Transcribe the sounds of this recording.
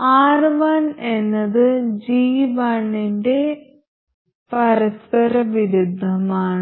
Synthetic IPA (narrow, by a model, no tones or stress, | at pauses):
aːrʋaːne̞nːɐðɨd͡ʑiːʋaːɳinde̞ | pɐɾɐspɐɾɐʋiɾud̪ʱːɐmaːɳɨ